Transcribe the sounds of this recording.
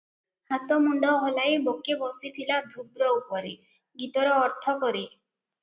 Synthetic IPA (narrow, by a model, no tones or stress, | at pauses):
hat̪ɔmuɳɖɔɦɔlajbokebɔsit̪ʰilad̪ʱubɾɔupɔɾe | ɡit̪ɔɾɔːɾt̪ʰɔkɔɾi